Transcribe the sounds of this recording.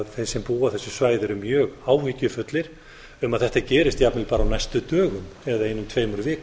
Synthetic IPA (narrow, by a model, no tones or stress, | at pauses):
ðθejsɛmpuːaθɛsːʏsvaːjðɪɾʏmjœːɣaːwviːcʏfʏt̪lɪɾ̥ | ʏmaðθɛht̪acɛːɾɪst̪japnɪlpaːɾawnajst̪ʏt̪œːɣʏmɛðaejnːʏmt̪ʰveːjmʏɾvɪːk